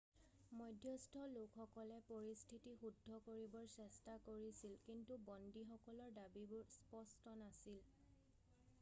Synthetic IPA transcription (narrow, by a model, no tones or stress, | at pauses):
mɔjdʱjɔstʰɔlokxɔkɔlɛpoɹistʰitixudʱːɔkoɹibɔɹsɛstakoɹisilkintubɔndixɔkɔlɔɹdabibʊɹspɔstɔnasil